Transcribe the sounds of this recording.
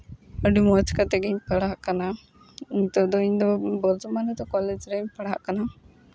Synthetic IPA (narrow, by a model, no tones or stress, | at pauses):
əɖimɔt͡ʃkat̪ɛɡɛɲpəɽaʔkana | iɲt̪ɔd̪ɔiɲd̪ɔbəɾd͡ʒɔmanɛt̪ɔkɔlɛd͡ʒɾɛɲpəɽaʔkana